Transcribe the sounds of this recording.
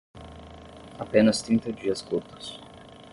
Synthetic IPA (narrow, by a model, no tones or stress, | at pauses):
apẽnɐst̪ɾĩnt̪ɐd͡ʒiɐskuɾt̪ʊ̥s